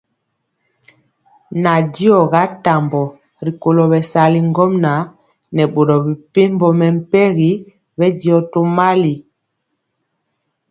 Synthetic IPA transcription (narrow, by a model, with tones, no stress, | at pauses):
na˨di˦ɔ˨ɣa˨˦ta˨mbɔ˨ | ɾi˨ko˨lɔ˨bɛ˨sa˨li˨ŋɡɔ˦mna˨˦ | nɛ˨ɓo˨ɾɔ˨bi˨pe˦mbɔ˨mɛ˨m̩˦pɛ˦ɣi˨˦ | bɛ˦di˦ɔ˨to˦ma˦li˨